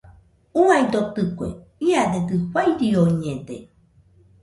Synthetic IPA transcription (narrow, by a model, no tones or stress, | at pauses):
uajd̪ot̪ɨkʷḛiadedɨhwajɾioiɲẽde